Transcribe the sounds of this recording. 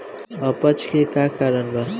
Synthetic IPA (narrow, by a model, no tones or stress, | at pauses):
ʌpət͡ʃkekakaɾənbʌ